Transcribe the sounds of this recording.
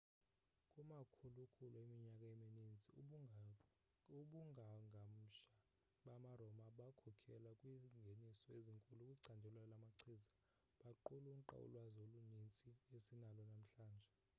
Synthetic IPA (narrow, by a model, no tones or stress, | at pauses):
kʼumakʰulukʰuluemiɲakʼaeminint͡sʼi | uɓuŋʱaŋʱam̩ʃa | ɓamarɔmaɓakʰɔkʰɛlakʼwiŋɡʱenisɔeziŋkʼulukʼuǀʰandʱɛlwalamaǀʰiːza | ɓaǃuluŋ̩ǃa̰ṵlwazolunint͡sʼiesinalɔnam̩ɬaːnd͡ʒʱɛ